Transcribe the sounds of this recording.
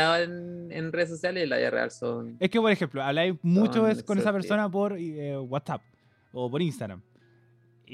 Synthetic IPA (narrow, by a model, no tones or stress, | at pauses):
aoenḛnreðesːosjalesila̰ðḭa̰rḛa̰lsoneskepoɾexemploaβlajmut͡ʃoeskkonesape̞ɾssonap̬oɾewat̪sap̚ | opoɾinst̪aɣɾa̰m